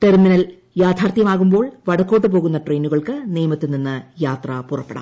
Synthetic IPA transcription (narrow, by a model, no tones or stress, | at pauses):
ʈerminɐl | jaːd̪ʰʱaːrt̪jɐmaːɣumbo̞ːɭʋɐɽɐkːoːʈːɨp̬oːɣunːɐʈrejnuɣɐɭkɨnijɐmɐt̪ːɨninːɨjaːt̪rɐpurɐpːeɽa̰ː